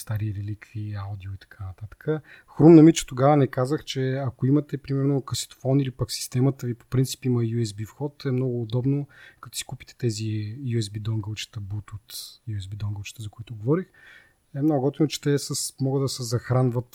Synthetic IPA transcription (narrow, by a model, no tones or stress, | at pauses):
st̪aɾiɾɛlikviaʊd̪ioit̪ɐ̥kʰanɐt̪at̪ə̥kəxɾumnɐmit͡ʃɛ̥t̪oɡavənɛkazəxt͡ʃɛɐkoimɐt̪ɛpɾimɛɾnokəsi̥t̪o̥fɔnilipɐksi̥st̪ɛmət̪əvipo̥pɾint̪si̥piməjuɛzbifxɔt̪ɛmnɔɡʊːd̪ɔbnokɐt̪ʊ̥si̥kupi̥t̪ɛ̥t̪ɛzijuɛzbid̪ɔŋɡəlˠt͡ʃɛ̥t̪əbut̪ot̪juɛzbid̪ɔŋɡəlˠt͡ʃɛ̥t̪əzɐkoit̪ʊɡovɔɾix | ɛmnɔɡʊɡɔt̪inʊt͡ʃɛ̥t̪ɛsəsmɔɡəd̪ɐsɛzɐxɾanvət̪